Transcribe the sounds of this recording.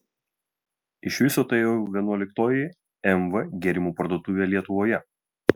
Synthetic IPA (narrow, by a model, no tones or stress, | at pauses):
ɪʃʲʋʲɪsoːt̪ʊeːjoʋʲiɛnuɔlʲɪkt̪oːjɪ | ɛmʋɐɡʲɛɾʲɪmuːpɐɾd̪uɔt̪uːʋʲeːlʲiɛt̪ʊʋoːjɛ